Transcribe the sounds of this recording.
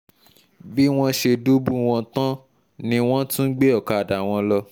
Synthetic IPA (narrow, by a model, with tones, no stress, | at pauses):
bi˦w̃ɔ̃˧ʃe˧do˦bũ˦w̃ɔ̃˧tã˦ | nĩ˧w̃ɔ̃˦tũ˦ɡ͡be˦ɔ˦˨ka˨˧a˨da˨w̃ɔ̃˧lɔ˧